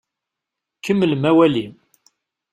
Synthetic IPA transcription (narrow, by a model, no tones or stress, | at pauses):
kːəmːəlmæwælim